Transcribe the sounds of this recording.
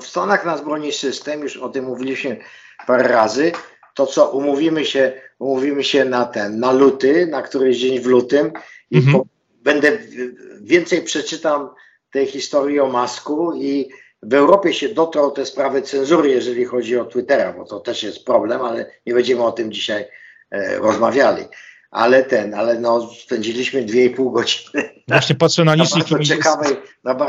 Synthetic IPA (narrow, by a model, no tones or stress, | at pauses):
fst̪ɔnaxnazbɾɔɲisɘst̪ɛmjuʂɔt̪ɘmːuvʲilʲiɕmɘ | paɾɛɾazɘ | t̪ɔt̪sɔʔumuvʲimɘɕɛumuvʲimɘɕɛnat̪ɛnːalut̪ɘnakt̪uɾɛd͡ʑeɲvlut̪ɪmipɔ | bɛnd̪ɛ | vʲjɛnt̪sɛjpʂɛt͡ʂɘt̪am | t̪ɛjxʲist̪ɔɾʲjiɔmaskui | vɛwɾɔpʲjɛɕɛd̪ɔt̪ɾɔwt̪ɛspɾavɘt̪sɛnzuɾɘjɛʐɛlʲixɔd͡ʑiɔt̪wɘt̪ɛɾa̰bɔt̪ɔt̪ɛʂjɛst̪pɾɔblɛmalɛɲɛbɛɲd͡ʑɛmɘɔt̪ɘmd͡ʑiɕaj | ɾɔzmavʲjalʲḭ | ʔa̰lɛt̪ɛnalɛnɔspɛɲd͡ʑilʲiɕmɘd̪vʲjɛipuwɡɔd͡ʑi̥nɘvaɕɲɛpat̪sjɔnalʲaisɔt͡ɕɛkavɛjnaba